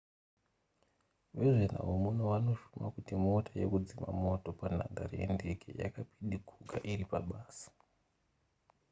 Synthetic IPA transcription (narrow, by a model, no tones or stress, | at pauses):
ʋeʐen̤a̰omunoʋano̞ʃumakutimo̞tʰaje̞̰kud͡zima̰mo̞to̞pan̤a̰ndariḛnde̞kḛja̰kapiɗikʰukʰa̰ʔiripaɓaːsḁ